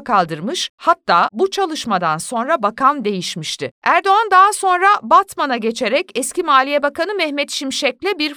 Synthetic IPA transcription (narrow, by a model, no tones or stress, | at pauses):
kʰalˠd̪ɯɾmɯʃhatt̪ʰːaːbut͡ʃʰalˠɯʃmad̪anso̞nɾabakʰamd̪e̞jiʃmiʃt̪ʰɪæɾd̪o̞and̪aːaso̞nɾabat̪manaɟe̞t͡ʃʰe̞ɾɛcɛscʲimaːlʲijɛbakanɯmɛhmɛt̪ʃimʃɛc̚lʲɛbiɾ